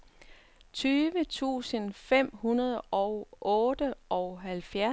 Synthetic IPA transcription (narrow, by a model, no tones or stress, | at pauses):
t͡sʰyːʋət͡sʰṵːsənfem̰hunɐð̞ˠʔɒʊʔɔːd̥əʔɒʊɦælfjæ